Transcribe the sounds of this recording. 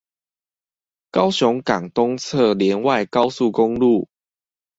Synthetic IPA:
ka˦ʊɕɔ˨˦ŋka˨˩ŋt̪ɔ˦ŋt͡sʰɤ˥˨ljɛ˨˦nwa˥˨ɪka˦ʊsu˥˨ko˦ŋlu˥˨

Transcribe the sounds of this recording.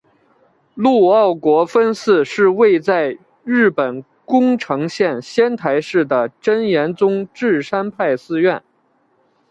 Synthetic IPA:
lu˥˧ɑ˥˩ʊkwɔ˧˥fə˥nsɹ̩˥˧ʂɻ̩˥˧we˥˧ɪt͡sa˥˧ɪ | ɻɻ̩˥˩pə˨˩n | kʊ˥ŋʈ͡ʂʰɤ˧˥ŋɕjɛ˥˧nɕjɛ˥nt̪ʰa˧˥ɪʂɻ̩˥˩d̪ə˩ʈ͡ʂə˥njɛ˧˥nt͡sʊ˥ŋʈ͡ʂɻ̩˥˩ʂa˥npʰa˥˩ɪsɹ̩˥ɥɛ˥˩n

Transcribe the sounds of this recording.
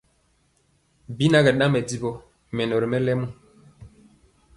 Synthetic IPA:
bi˦na˦ɡɛ˨ɗã˦mɛ˨di˨bo˦ | mɛ˨no˨ɾmɛ˦lɛ˦mu˦

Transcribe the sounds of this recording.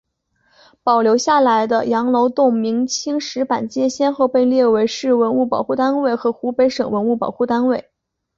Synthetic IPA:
pɑ˨˩ʊljo˧˥ʊɕja˥˩la˧˥ɪd̪ə˧jɑ˧˥ŋlo˧˥ʊt̪ʊ˥˩ŋmi˧˥ŋt͡ɕʰi˥ŋʂɻ̩˧˥pa˨˩nt͡ɕjɛ˥ɕjɛ˥˧nxo˥˧ʊpe˥˧ɪljɛ˥˩we˧˥ɪʂɻ̩˥˩wə˧˥nu˥˩pɑ˨˩ʊxu˥˩t̪a˥nwe˥˩ɪxɤ˧˥xu˧˥pe˧˥ɪʂɤ˨˩ŋwə˧˥nu˥˩pɑ̰˨˩ʊxu˥˩t̪a˥nwe˥˩ɪ

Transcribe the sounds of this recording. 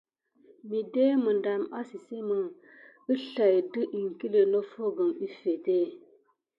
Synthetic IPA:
mi˨de˦mə˨nda˨ma˦si˨se˦mə˨ | ə˦ɬa˨jdɨ˦ʔi˨ŋki˦le˨lo˦fo˦ɡə˨mi˦fe˨te˦

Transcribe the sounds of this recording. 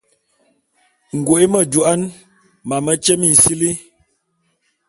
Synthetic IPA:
ŋ̩˨ɡwo˨e˦mə˦d͡ʒu˨a˦n | ma˨mə˦t͡ʃə˦mi˨n̩˨si˦li˦

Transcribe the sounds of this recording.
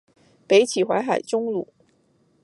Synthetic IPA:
pe˧˥ɪt͡ɕʰi˨˩xwa̰˧˥ɪxa˨˩ɪʈ͡ʂʊ˥ŋlṵ˨˩˦

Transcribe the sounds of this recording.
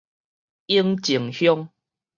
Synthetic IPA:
i˦ŋt͡ɕi˨˩ŋhjɔ˦ŋ

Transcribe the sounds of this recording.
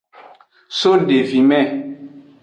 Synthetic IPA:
so˦n˨de˨vi˨mɛ˦˨

